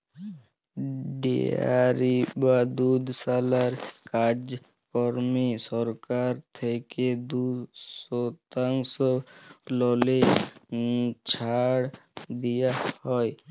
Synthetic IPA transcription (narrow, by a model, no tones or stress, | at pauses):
ɖḛa̰ɾibad̪ud̪ʱsalaɾkad͡ʑ | kɔɾmisɔɾkaɾt̪ʰeked̪usɔt̪aŋsɔlɔle | t͡ɕʰaɽd̪ijahɔe